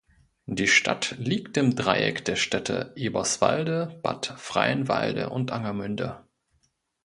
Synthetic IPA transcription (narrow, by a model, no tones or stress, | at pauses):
d̥iːʃtʰatliːk̚tɪmdʁaɪɛ̰kd̥eːɐʃtɛtʰə̰ʔiːbɐsv̥a̰ldəb̥a̰tfʁ̥a̰ɪənva̰ɪldə̰ʔʊntʔaŋɐmʏndə